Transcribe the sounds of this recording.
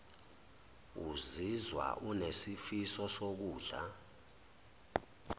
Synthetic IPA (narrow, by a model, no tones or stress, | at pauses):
uzizwa̰ʔunesifisɔsok̬uːɮa̰